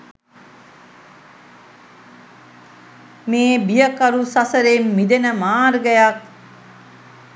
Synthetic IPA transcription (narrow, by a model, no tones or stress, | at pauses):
meːbijəkaɾusasəɾemːid̪enəmaːɾɡəjak̚